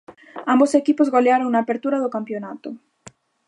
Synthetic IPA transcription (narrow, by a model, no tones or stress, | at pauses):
ambosekipozɣoleaɾoŋnaːpeɾt̪uɾaðokampjonat̪o